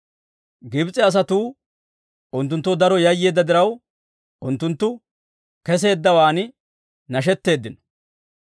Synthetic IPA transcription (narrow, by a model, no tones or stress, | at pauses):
ɡɪbt͡sʼːɛɐs̬ɐt̪uː | ʔʊnt̪̬ːʊnt̪ːʊd̪ɐɾɔjɐjːe̞ːd̪ːɐd̪ɪɾɐw | ʊnt̪ːʊnt̪ːʊ | kɛs̬e̞ːd̪ːɐwaːnɪ | nɐʃ̬ɛt̪ːe̞ːd̪ːɪnɔ̥